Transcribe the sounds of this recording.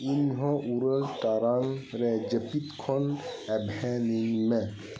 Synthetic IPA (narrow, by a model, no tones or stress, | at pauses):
inɦɔ̃ʔuɾəlʈaɾaŋɾɛd͡ʒəpit̪kʰɔnɛbʱɛniŋmɛ